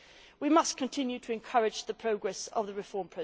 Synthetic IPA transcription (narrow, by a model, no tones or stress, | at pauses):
wimʌskʰə̃ntʰɪ̃njʉtʰəɪ̃nkʰʌɹɪd͡ʒðəpʰɹ̥əʊɡɹɛsə̰vðəɹɪfɔːmpʰɹ̥ɛ